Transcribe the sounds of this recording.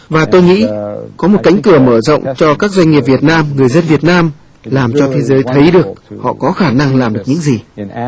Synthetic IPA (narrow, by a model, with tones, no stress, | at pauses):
vaː˨˩t̪o˧jŋḭ˧˥kɔ˨˦mo˨˩t̚ka̰˧˥jŋ̟kɨ˧˩əməː˧˩zə̰˧˨wŋ͡mt͡ɕɔ˧kaː˦˥k̚zwa˧jŋ̟ŋi˨˩p̚vi˨˩ət̚naː˧mŋɨ˨˩əjzə˧nvi˨˩ət̚naː˧m | laː˨˩mt͡ɕɔ˧t̪ʰe˨˦zəː˨˦jt̪ʰə˨˦jɗɨ˨˩ək̚hɔ̰˧˨kɔ˨˦xaː˧˩na˧ŋlaː˨˩mɗɨ˨˩ək̚ɲɨ̰˧˥ŋzi˨˩